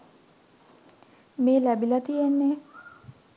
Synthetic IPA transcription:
meːlæbilɐt̪ijenːe

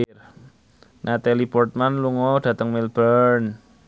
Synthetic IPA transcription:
r | nʔat̪alipɔrt̪̚manluŋɔd̥ä̤t̪əŋmilbərn

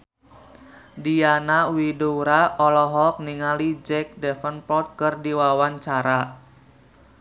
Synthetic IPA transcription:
dijanawidoɾaɔlɔɦɔk̚niŋalid͡ʒɛk̚dɛfənpɔt̪̚kɨrdiwawaɲt͡ʃaɾa

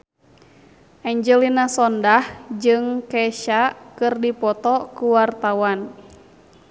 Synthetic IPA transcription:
ʔaɲd͡ʒɛlinasɔndahd͡ʒɨŋkɛʃakɨrdipɔt̪ɔkuwart̪awan

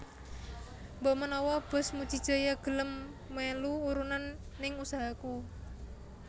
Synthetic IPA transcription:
mbɔʔmənɔwɔb̥ə̤smud̥ʒ̥i̤̥ʒ̥a̤jaɡ̥ə̤ləmː | eluuɾunanː | ɪŋusaɦaku

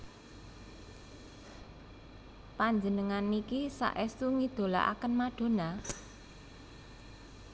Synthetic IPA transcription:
paɲd͡ʒənəŋanikisa̰ʔɛsuŋid̪̥o̤la̰ʔa̰kənmaɖ̥o̤na

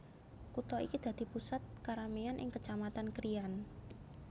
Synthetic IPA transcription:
kut̪ɔikid̪̥ä̤d̪̥i̤pusat̪̚kaɾameanʔɪ̰ŋkət͡ʃamat̪ankɾijan

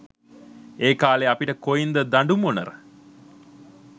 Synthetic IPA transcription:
eːkaːleapiʈəkojind̪əd̪aɳɖumonə̰ɾə

